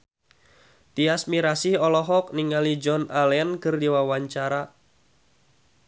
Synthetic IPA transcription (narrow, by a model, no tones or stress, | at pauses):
t̪iasmiɾasihɔlɔɦɔk̚niŋalid͡ʒɔnalɛnkɨrdiwawaɲt͡ʃaɾa